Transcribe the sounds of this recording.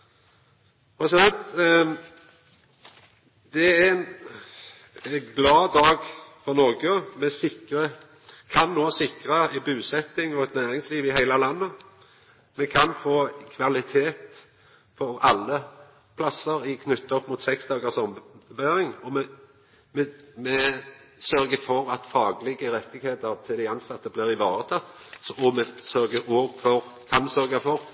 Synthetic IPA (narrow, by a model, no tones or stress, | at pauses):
pʰɛssɑnt̪ | d̪ɛæɛn | ɛɡlɑːd̪ɑːɡfɔʁnɔʁɡəmɛsɪkʁə | kʰɑnːoːsɪkʁəɪbʉːsɛt̪ːɪŋɔɛt̪næːɾɪŋsliːʋɪhæɪləlɑnːə | mɛkʰɑnfoːkʰʋɑlɪt̪ʰeːt̪ | fɔɾɑlːə | pʰlɑsəɾɪkʰnʉt̪ːəɔpːmuːt̪sɛksd̪ɑːɡəʁsɔmbæːʁɪŋɔmɛ | mɛmɛsœɾɡəfɔʁɑt̪fɑːɡlɪɡəʁɛt̪ːɪɡheːt̪əʁt̪ʰɪld̪æɪɑnsɑt̪ːəblɪːʁɪʋɑːɾət̪ʰɑt̪ː | sɔɔmɛsœʁɡəoːɡfɔʁkʰɑnmsœʁɡɑfɔʁ